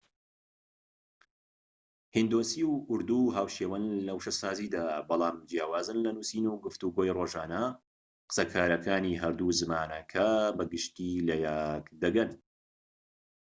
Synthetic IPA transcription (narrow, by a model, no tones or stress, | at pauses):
hind̪oːsiːwʊɾd̪uɦaːwʃeːwɐnlɐwʃɐsaːziːd̪aːbɑlˠaːmd͡ʒjaːwaːzɨnlɐnusiːnuwɡɨft̪uɡoːjroːʒaːnɐ | qɨ̥sɐkʰaːɾɐkʰaːniɦɐɾd̪uzɨmaːnɐkʰɐbɐɡɨʃt̪ilɐjakd̪ɐɡɐn